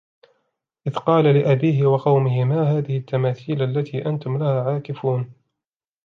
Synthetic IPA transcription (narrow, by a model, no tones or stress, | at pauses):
ʔɪðqɑːlalɪʔabiːɦɪwɑqɑwmɪhɪmaːɦaːðɪhɪt̪ʰːamaːθiːlʔalːat̪ʰiːʔant̪ʊmlahaːʕaːkɪfuːn